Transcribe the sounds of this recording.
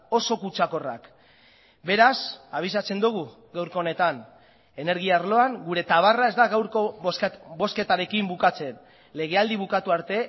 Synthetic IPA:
o̞so̞kut͡ʃako̞ra̰k | be̞ɾasaβ̞isat͡se̞nd̪uɣ̞u | ɡawɾko̞ːne̞t̪an | e̞ne̞ɾɣiarlo̞aŋɡuɾe̞t̪aβ̞arae̞zd̪aɣawɾkobo̞ske̞t̪aɾe̞kimbukat͡se̞n | le̞ɣe̞ald̪iβ̞ukat̪uaɾt̪e̞

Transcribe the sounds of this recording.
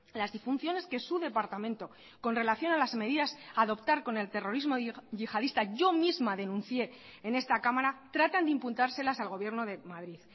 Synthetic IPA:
lazðifunθjo̞ne̞ske̞suðe̞paɾt̪amẽ̞nt̪o̞ | ko̞nre̞laθjo̞nalazme̞ð̞iðasaðo̞pt̪aɾko̞ne̞lt̪e̞ro̞ɾizmo̞ʝixaðist̪aʝo̞mizmaðe̞nũnθje̞ːne̞st̪akamaɾat̪ɾat̪and̪eimpunt̪aɾse̞lasalɣ̞o̞βje̞ɾno̞ðe̞mað̞ɾið

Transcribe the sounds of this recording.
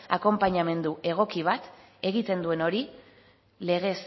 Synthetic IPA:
ako̞mpaɲame̞nd̪uʔe̞ɣ̞o̞kiβ̞at̪ | e̞ɣit̪e̞nd̪ue̞no̞ɾi | le̞ɣe̞s

